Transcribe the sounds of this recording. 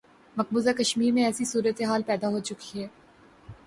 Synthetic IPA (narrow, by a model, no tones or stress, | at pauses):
mɐq̚buːzakɐʃmiːɾmẽɛːsisuːɾət̪eɦaːlpɛːd̪aɦoːt͡ʃʊkiɦɛː